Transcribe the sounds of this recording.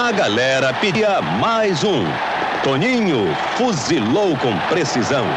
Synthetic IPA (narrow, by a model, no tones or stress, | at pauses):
ɐɡalɛɾɐpiiɐmajzũ | t̪õɲĩɲʊ | fuzilowkõpɾesizɐ̃w̃